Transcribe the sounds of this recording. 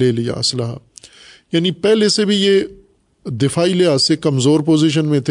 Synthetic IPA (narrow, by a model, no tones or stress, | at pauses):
eːlija̰ɐslɐɦa̰ | jaːnipɛɦlesebʱije | d̪ɪfaːileasekɐmzoːɾpoːziʃ̬ənmẽt̪ʰ